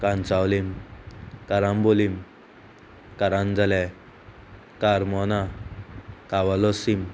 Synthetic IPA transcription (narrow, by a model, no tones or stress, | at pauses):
kãnt͡sawlim | kaɾambolim | kaɾand͡zalɛ | kaɾmɔna | kawalɔsim